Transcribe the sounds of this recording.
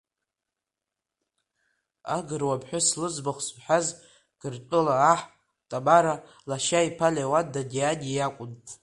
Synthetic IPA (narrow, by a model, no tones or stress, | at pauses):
aɡɨrwabʰʼħʷᶣʊslɨzbaχʷsħaz | ɡ̥ɨrtʷʼʊlaːħ | tʼabaɾa | laʃaipʰalewadadʲiadʲijakʷʼʊntʼ